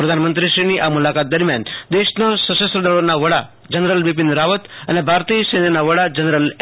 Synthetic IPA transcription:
pɾəd̪ʱanmənt̪ɾiʃɾiniʔamulakat̪̚d̪əɾmjand̪eʃnasəsəsɾəd̪əɭonaʋəɽa | d͡ʒənɾəlʋip̬ind̪ɾaʋət̪ənebʱaɾt̪isẽnenaʋəɽad͡ʒənɾəl

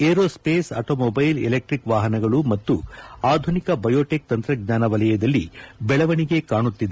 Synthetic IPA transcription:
eːɾoːspeːsɐ̰ʈoːmobɐjlɛ̰lek̚ʈɾikʋaːɦɐnɐɡɐɭumɐt̪ːuaːd̪ʱunikɐbɐjoːʈek̚t̪ɐnt̪ɾɐɡ̚ɲaːnɐʋɐlɐjɐd̪ɐlːḭbɛɭɐʋɐɳiɡe̞kaːɳut̪ːid̪e

